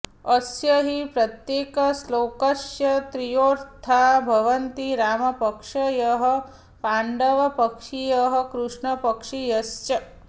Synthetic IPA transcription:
ɐsjɐɦipɾɐt̪jeːkɐsloːkɐsjɐt̪ɾijoːɾt̪ʰaːbʱɐʋɐnt̪iɾaːmɐpɐkʂɐjɐɦɐ | paːɳɖɐʋɐpɐkʂijɐɦɐkɾuʂɳɐpɐkʂijɐst͡ʃɐ

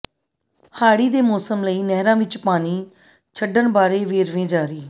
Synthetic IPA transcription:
haːɽiːd̪eːmɔːsəmləiːnɛːɦɾãːʋɪt͡ʃpaːniː | t͡ʃʰəɖəɳbaːɾeːʋeːɾʋẽːd͡ʒaːɾiː

